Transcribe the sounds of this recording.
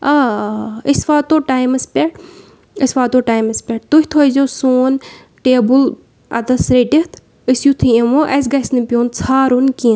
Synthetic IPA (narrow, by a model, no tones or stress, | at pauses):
aːəsʋaːt̪oːʈaːjmɐspʲeʈ | əsʲʋaːt̪oːʈaːjmɐspʲeʈ̚t̪uhʲt̪ʰozʲosoːn | ʈeːbul | ɐ̰t̪ɐsɾeʈiht̪ʰ | əsjut̪ʰɨemoʔɐs̬ɡɐsnipʲjõːnt͡sʰaːɾunki